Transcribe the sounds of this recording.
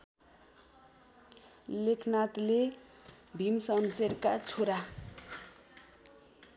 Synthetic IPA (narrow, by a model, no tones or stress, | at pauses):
lekʰnat̪le | bʱimsʌmseɾkat͡sʰoɾa